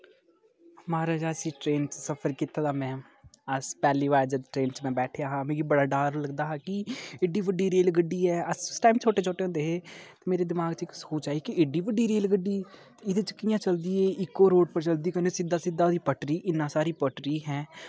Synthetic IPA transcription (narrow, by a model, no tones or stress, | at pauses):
maːɾaːd͡ʒaːsĩːʈɾeːnt͡ʃsəpʰəɾkɪt̪ʰːaːd̪aːmɛ̃ː | əspɛːliːʋaːjd͡ʒəd̪ʈɾeːnt͡ʃmɛ̃ːbɛːʈʰejaːɦãːmẽːɡiːbəɽaːɖaːɾləɡd̪aːɦaːkiɪɖiːʋəɖiːɾeːlɡəɖːiːɛːəssʈaːimt͡ʃʰoːʈeːt͡ʃʰoːʈeːɦnd̪eːɦeːt̪eːmeːɾeːd̪ɪmaːɡt͡ʃɪkskoːt͡ʃaːikiɪɖiːʋəɖiːɾeːlɡəɖːiː | ɪd̪eːt͡ʃəkːijãːt͡ʃəld̪iːeːɪkːoːɾoːɖpəɾt͡ʃəld̪iːkənesɪd̪aːsɪd̪aːd̪iːpəʈɾiːʔɪnːãːsaːɾiːpəʈɾiːɦɛ̃ː